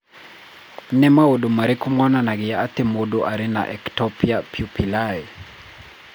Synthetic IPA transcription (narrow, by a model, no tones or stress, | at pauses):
nɛmawodomaɾekumwɔnanaɡɪjaːtemodoʔaɾɪna̰ʔɛktɔpjapʰjupilaɛ